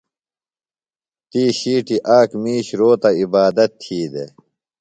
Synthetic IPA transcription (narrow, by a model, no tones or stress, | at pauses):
t̪iːɕiːʈiʔaːkmiːɕɾoːt̪ɐibaːd̪ɐt̪ʰːiːd̪ḛ